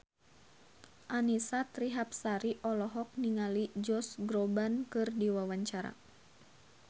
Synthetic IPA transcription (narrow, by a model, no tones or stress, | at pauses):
ʔanisat̪ɾiɦap̚saɾiʔɔlɔɦɔk̚niŋalid͡ʒɔsɡɾɔbankɨrdiwawaɲt͡ʃaɾa̰